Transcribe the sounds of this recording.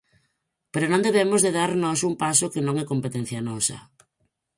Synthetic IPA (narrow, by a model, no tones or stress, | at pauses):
peɾonõnd̪eβemozðeðaɾnɔsumpasokɪnõŋɛkompet̪ɛn̟θjɐnɔsɐ̰